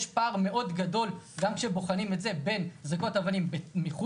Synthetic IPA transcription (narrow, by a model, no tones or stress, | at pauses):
ʃpaːʁme̞ʔo̞dɡado̞lɡamkʃebo̞χanimetze̞be̞nzako̞tavanimbemiχu